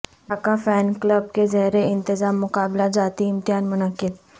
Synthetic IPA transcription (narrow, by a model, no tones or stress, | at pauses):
aːkafɛːnkləb̚kezɐɦɾeɪ̃nt̪ɪzaːmːʊkaːblad͡ʒaːt̪iɪ̃mt̪ɪɦaːnmʊnəkɪd̪